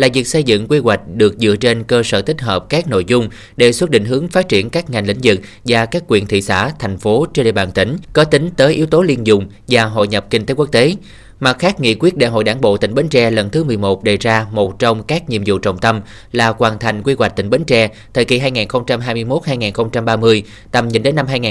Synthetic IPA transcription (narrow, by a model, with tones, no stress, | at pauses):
laː˨˩vi˨˩k̚sə˧jzɨ̰˧˨ŋkwi˧ɣwa˨˩jk̟̚ɗɨ˨˩ək̚zɨ̰˧˨ət͡ɕe˧nkəː˧sə̰ː˧˩t̪ï˦˥k̟ɦəː˨˩p̚kaː˦˥k̚no̰˧˨jzʊ˧ŋ͡m | ɗe˧˩swə˦˥t̚ɗḭ˧˨ŋ̟ɦɨ˨˦əŋfaː˦˥t̚t͡ɕi˧˩ənkaː˦˥k̚ŋa˨˩jŋ̟lḭ˧˥ŋ̟zɨ˨˩k̚ | vaː˨˩kaː˦˥kːwḭ˧˩ənt̪ʰḭ˧˨sa̰ː˧˩t̪ʰa˨˩jŋ̟fo˨˦t͡ɕe˧ɗḛ˧˨˩ɓaː˧˩nt̪ï˨˦ŋ̟kɔ˨˦t̪ï˨˦ŋ̟t̪əː˨˦jʔi˨˦əwt̪o˨˦li˧ənzʊ˧˩ŋ͡m | vaː˨˩ɦo̰˧˨jɲə˨˩p̚ki˧ŋt̪e˨˦ku˦˥ək̚t̪e˨˦ | ma˨˩t̚xaː˦˥k̚ŋḭ˧˨kwi˦˥ət̚ɗa̰˧˨˩ɦo̰˧˨jɗaː˧˩nɓo̰˧˨t̪ï˧˩ŋ̟ɓə˨˦ŋ̟t͡ɕɛ˧lə˨˩nt̪ʰɨ˨˦mɨ˨˩əjmo˨˩t̚ɗe˨˩jzaː˧mo˨˩t̚t͡ɕɔ˧wŋ͡mkaː˦˥k̚ɲḭ˧˨əmzṵ˧˨t͡ɕə˨˩wŋ͡mt̪ə˧m | laː˨˩kwaː˨˩nt̪ʰa˨˩jŋ̟kwi˧ɣwa˨˩k̚t̪ï˧˩ŋ̟ɓə˨˦ŋ̟t͡ɕɛ˧ | t̪ʰəː˨˩ki˧˩ɦaː˧jŋaː˨˩nxə˧wŋ͡mt͡ɕa˧mɦaː˧jmɨ˧əjmo˦˥t̚haː˧jŋaː˨˩nxə˧wŋ͡mt͡ɕa˧mɓaː˧mɨ˧əj | t̪ə˨˩mɲḭ˨˩nɗe˨˦nːa˧mɦaː˧jŋaː˨